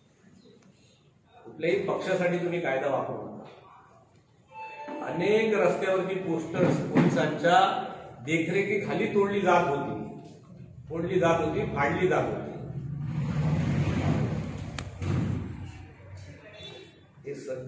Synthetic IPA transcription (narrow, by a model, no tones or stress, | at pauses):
kup̪laɦipəkʂasaʈiːt̪̬um̤iːkajd̪aʋapəɽṵnt̪a̰ | ə̰nekɾəst̪jaʋəɾt̪iːposʈəɾspolisaɲt͡ɕjad̪ekʰɾekiːkʰaliːt̪oɽliːd͡zat̪ɦot̪iː | t̪oɽliːd͡zat̪ɦot̪iːpʰaɽliːd͡zat̪ɦo̰t̪ḭː | ɦesə